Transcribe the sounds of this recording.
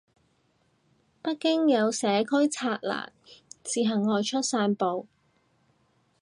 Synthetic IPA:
pɐ˥t̚kɪ˥ŋjɐ˨˧wsɛː˨˥kʰɵ˥ɥt͡sʰaː˧t̚la̰ː˨˩ŋ̚t͡siː˨ɦɐ˨˩ŋːɔː˨˧jt͡ʃʰɵ˥t̚saː˧npo˨˧w

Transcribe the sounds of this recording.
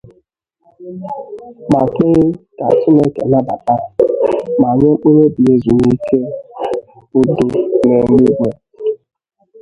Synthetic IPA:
ma˨ke˦ka̰˨t͡ʃi˦ne˦kḛ˨na˦ba̰˨ta˦ | ma˨ɲe˦k͡pu˦ɾe˦bi˨e˦zu˨ni˦kʰe˦ | ʊ˦dʊ˨ne˨ŋ˦i˦ɡ͡be˦

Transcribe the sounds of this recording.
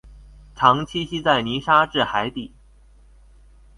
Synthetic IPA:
ʈ͡ʂʰɑ˧˥ŋt͡ɕʰi˥ɕi˥t͡sa˥˩ɪni˧˥ʂa˥ʈ͡ʂɻ̩˥˩xa˧˥ɪt̪i˥˩

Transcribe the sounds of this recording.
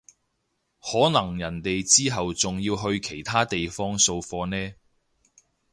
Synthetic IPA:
hɔː˨˥nɐ˨˩ŋjɐ˨˩nt̪e˨jt͡siː˥ɦɐ˨wt͡sʊ˨ŋjiː˧wɦɵ˧ɥkʰe˨˩jt̪ʰaː˥t̪e˨jfɔː˥ŋso˧wfɔː˧nɛː˥

